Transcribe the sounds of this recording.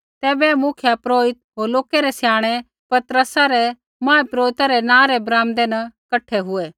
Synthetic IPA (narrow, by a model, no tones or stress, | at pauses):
t̪ɛːbɛmʊkʰjapɾoːɪt̪̚ɦoːɾloːkeɾɛsjaːɽ̃e | pɐt̪ɾəsaɾɛ | mãːepɾoːɪt̪aɾɛnãːɾɛbɾãːmd̪enɐkɐʈʰeɦʊeː